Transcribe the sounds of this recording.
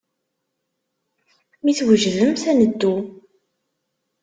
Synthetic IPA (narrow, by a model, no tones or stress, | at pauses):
miθwəʒðəmθænəd̪ːu